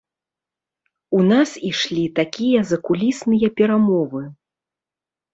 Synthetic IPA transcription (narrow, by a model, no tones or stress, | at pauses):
unasiʂlʲit̪akʲijɐzɐkulʲisnɨjɐpʲɛɾamɔvɨ